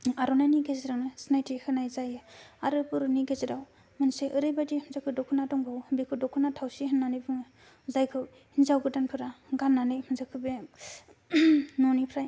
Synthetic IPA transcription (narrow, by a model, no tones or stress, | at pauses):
aɾɔnaniɡezɾawnɯsnajtʰihɯnajzajɯaɾɯpɯɾuniɡezeɾaw | mɯnseʔɯɾɯjbadimɯnzakʰɯdɔkʰɯnadɔŋbʱɯwbikʰɯdɔkʰunatʰawsiɦɯnːanɯjbɯŋɯ | zajkʰɯw | hinzawɡɯdanpʰɯɾaɡanːanɯjmɯnzakʰɯbe | nɔnipʰɾaj